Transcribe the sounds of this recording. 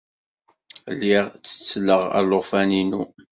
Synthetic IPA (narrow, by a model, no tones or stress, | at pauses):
lːiʁt͡sːə̥t͡sːləʁæ̰loʁfæninu